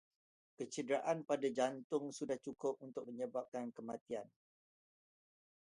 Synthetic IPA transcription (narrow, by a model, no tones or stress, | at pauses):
kət͡ʃədəɾaʔanpadad͡ʒant̪ʊŋsudaht͡ʃukʊp̚unt̪ʊk̚məɲəbap̚kankəmãt̪ian